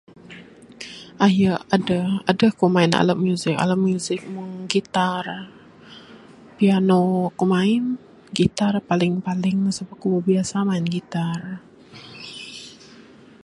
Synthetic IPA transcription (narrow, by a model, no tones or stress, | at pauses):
ʔajəadaadəkomaɪna̰ləp̚mjuzɪka̰ləmuzɪk̚muŋɡit̪ar | pianokumaɪn | ɡit̪arpalɪŋpalɪŋnasəpakubəbiasamaɪnɡit̪ar